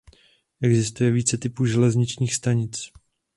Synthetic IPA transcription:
ʔɛɡzɪst̪ujɛviːt͡sɛt̪ɪpuːʒɛlɛzɲɪt͡ʃɲiːxst̪aɲɪt͡s

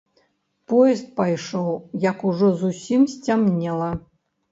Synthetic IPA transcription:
pɔjɛst̪̚pajʂɔwjɐkuʐɔzusʲimsʲt͡sʲamnʲɛlˠɐ

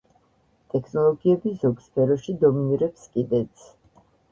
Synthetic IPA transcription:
t̪ʼɛkʰnɔlˠɔɡiɛbizɔɡspʰɛɾɔʃid̪ɔminiɾɛpskʼid̪ɛt̪sʰ

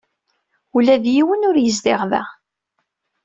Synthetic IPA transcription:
ulæðjiwənʊɾjəzd̪ɪʁðæ̰

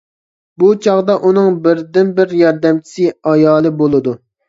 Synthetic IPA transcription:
but͡ʃʰɑʁd̪ɑʔunɨŋbɪɾd̪ɪnbɪɾjɑɾd̪ɛmt͡ʃʰi̥sɪɑjɑːlˠɨbolˠɨd̪u

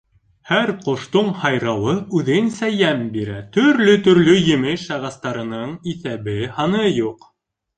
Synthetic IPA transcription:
hæɾqŏʃt̪oɴhɑjɾɑwɤʉðɘnsæjæmbiɾæt̪ɵ̆ɾlɵt̪ɵ̆ɾlɵjɘ̆mɘʃɑʁɑst̪ɑɾɤ̆nɤɴiθæβɘhɑnɤjuq

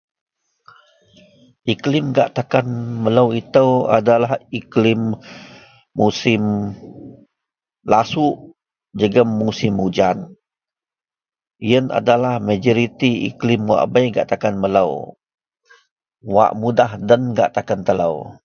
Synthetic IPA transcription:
ʔiklimɡa̰ʔt̪akanmələwit̪əwa̰dalahiklɪmː | usɪm | lasuʔ | d͡ʒəɡəmːusɪmud͡ʒan | ijəna̰dalahmad͡ʒɔɾit̪iḭklimwa̰ʔbəjɡa̰ʔt̪akanmələw | wa̰ʔmudahdənɡa̰ʔt̪akant̪əla̰w

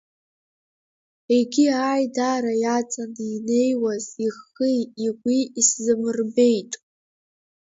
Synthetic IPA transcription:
eɡʲiaːjdaɾajat͡sʼanine̞jwaziχijiɡʷiiszɨmɨrbe̞jtʼ

